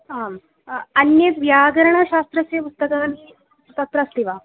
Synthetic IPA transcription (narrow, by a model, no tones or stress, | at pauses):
am | ɐnjet̪ʋjaɡɐɾɐɳ̃ɐɕast̪ɾɐsepust̪ɐkɐn | t̪ɐt̪ɾast̪iʋa